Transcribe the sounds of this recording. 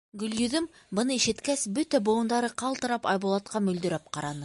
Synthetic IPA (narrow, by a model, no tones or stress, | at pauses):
ɡɵ̆ljɵ̆ðɵm | bɤ̆nɤiʃɘ̆t̪kæsbɵt̪æbŏɤ̆nd̪ɑɾɤqɑlˠt̪ɤ̆ɾɑpɑjbŏlˠɑt̪̚qɑmɵ̆ld̪ɵ̆ɾæp̚qɑɾɑnɤ